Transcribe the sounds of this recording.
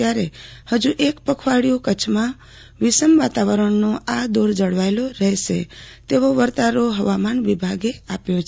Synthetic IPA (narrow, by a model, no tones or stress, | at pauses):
jaɾehəd͡ʒuʔekpəkʰʋaɽijũkət͡ʃʰmã | ʋisəmʋat̪aʋəɾəɳnoad̪oɾd͡ʒəɽʋajloɾəɦʃḛt̪eʋoʋəɾt̪aɾoɦəʋamanʋibʱaɡeapjõt͡ʃ